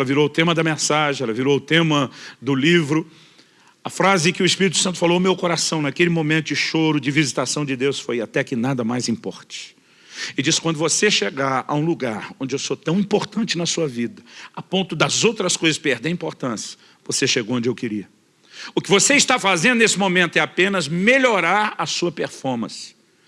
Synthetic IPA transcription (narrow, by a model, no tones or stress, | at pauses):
ɛlɐviɾoʊt̪ẽmɐd̪ɐmẽsaʒẽɛlɐviɾowʊt̪ẽmɐd̪ʊlivɾʊ | ɐfɾazɪkɪʊɪspiɾit̪ʊ̥sɐ̃nt̪ʊfalowmewkoɾasɐ̃w̃nakelɪmõmẽnt̪ʊd͡ʒɪʃoɾʊd͡ʒɪvizit̪asɐ̃w̃d͡ʒɪd̪ewsfojat̪ɛkɪnad̪ɐmajzĩpɔ̰ɾt͡ʃɪ̥ | ɪd͡ʒisɪ̥kwɐ̃nd̪ʊvoseʃeɡaɾɐ̰ũluɡaɾõd͡ʒɪewsot̪ɐ̃w̃ĩpoɾt̪ɐ̃nt͡ʃɪnɐsuɐvid̪ɐapõnt̪ʊd̪ɐzowt̪ɾɐskojzɐspeɾd̪eɾĩpoɾt̪ɐ̃sɐ̥ | voseʃeɡowõnd͡ʒɪewkɪɾiɐ | ʊkɪvoseɪst̪afazẽd̪ʊnesɪmõmẽnt̪ʊɛapẽnɐzmeʎoɾaɾɐsuɐpeɾfɔɾmɐ̰̃sɪ̥